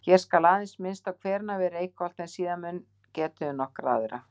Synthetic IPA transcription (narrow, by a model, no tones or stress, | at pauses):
çɛ̥skalaːðɪnsmɪnst̪awkʰvɛːɾnavɛːɾejkɔlt̪ɛnsiːðamʏnː | cɛːt̪ʏnɔhkɾa̰ːðʏɾa̰